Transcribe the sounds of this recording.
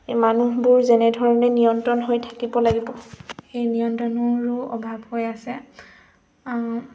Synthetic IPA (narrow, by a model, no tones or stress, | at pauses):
manuɦbʊɹzɛnɛdʱɔɹɔnɛnijɔntɹɔnɦojtʰḁkibɔlaɡibɔxejnijɔntɹɔnɔɹʊɔ̰bʱabhojasɛ